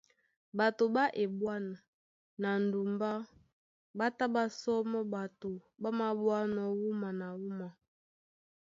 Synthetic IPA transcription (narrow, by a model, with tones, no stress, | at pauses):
ba˨to˨ba˦ʔe˨bwa˦na˨ | na˨n˨du˨mba˦ | ba˦ta˦ba˦sɔ˦mɔ˦ba˨to˨ba˦ma˨bwa˦nɔ˨wu˦ma˨na˨wu˦ma˨